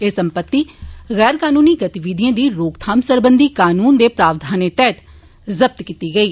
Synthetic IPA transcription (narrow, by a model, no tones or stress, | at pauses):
eːsəmpət̪ːiːɣɛːɾkaːnuːniːɡət̪iʋiːd̪ijãːd̪iːɾoːkt̪ʰaːmsəɾbənd̪iːkaːnuːnd̪eːpɾaːʋd̪ʱaːneːt̪ɛːt̪ | zəb̚t̪kiːt̪iːɡəiː